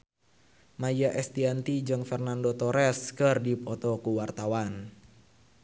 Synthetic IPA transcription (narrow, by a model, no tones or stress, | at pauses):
majaʔɛst̪iant̪id͡ʒəŋfɛrnandot̪ɔɾɛskərdipɔt̪ɔkuwart̪awan